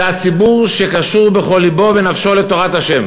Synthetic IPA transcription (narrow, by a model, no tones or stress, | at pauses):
at͡sibuʁʃe̞kaʃuʁbe̞χo̞lːibo̞venafʃo̞let̪o̞ʁat̪haʃe̞m